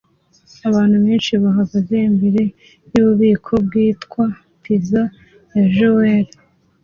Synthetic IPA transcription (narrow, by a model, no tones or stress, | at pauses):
aβaːn̥huβeːnʃiβaɦaɡazeimbiɾe̞ | juβuβiːkʰo̞b̚ɡiːtkwa | piza | jaʒoweɾ